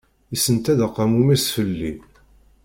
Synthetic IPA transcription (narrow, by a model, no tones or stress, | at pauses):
isənt̪æðəqːɑmumisfəlːi